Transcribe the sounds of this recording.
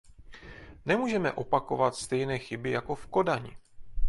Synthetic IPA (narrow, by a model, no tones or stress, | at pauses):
nɛmuːʒɛmɛʔo̞pako̞vat̪st̪ɛjnɛːxɪbɪjako̞fko̞daɲɪ̰